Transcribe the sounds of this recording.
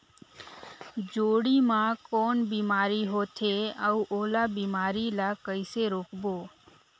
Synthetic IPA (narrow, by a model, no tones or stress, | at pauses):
d͡ʒoːɽiːmãːkoːnbiːmaːɾiɦoːt̪ʰeəuʔoːlaːbiːmaːɾilakəɪseɾoːkboː